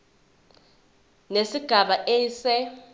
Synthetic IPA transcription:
nesiɡ̥ʱaɓaʔeːsɛ

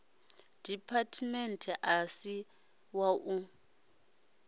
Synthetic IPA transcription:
d̥ʱipʰatʰmɛntʰɛʔasi | waʔu

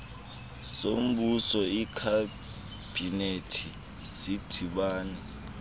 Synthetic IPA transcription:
som̩ɓusɔikʰa | b̥ʱinetʰi | zid̥ʰʱiɓaːni

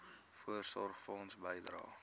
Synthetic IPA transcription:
fuərsɔrχfəɔnsbəjdrɑ̰ː

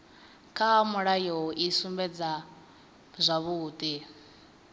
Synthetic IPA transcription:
kʼʰamuɺajɔʔisumbɛd͡za | zʷaβuːt̪ʼi

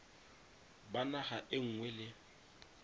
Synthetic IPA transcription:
banahaʔɪŋ̩ŋwɛlɪ

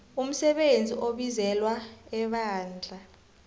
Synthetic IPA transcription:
um̩sɛɓend͡zʱiʔoɓizɛlwaɛɓaːnd͡ɮʱa

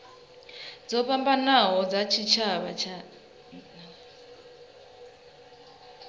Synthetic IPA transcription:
d͡zɔpambanaɦɔd͡zat͡ʃʰit͡ʃʰaβat͡ʃʰa | na

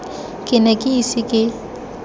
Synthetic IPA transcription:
kʼɪnɛkʼɪisɪkʼɪ

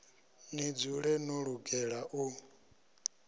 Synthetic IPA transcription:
nid͡zuɺɛnuɺuɡɛɺaʔu

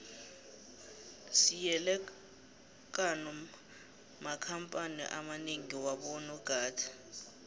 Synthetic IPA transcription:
sijɛlɛ | k̬ʼanɔ | makʰampʼanḭʔa̰maneŋiwaɓɔnɔɡ̥ʱaːtʰḁ

